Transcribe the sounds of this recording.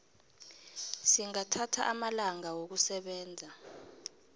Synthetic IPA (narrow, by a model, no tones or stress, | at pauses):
siŋatʰatʰa̰ʔamalaŋawok̬usɛɓɛːnd͡zʱa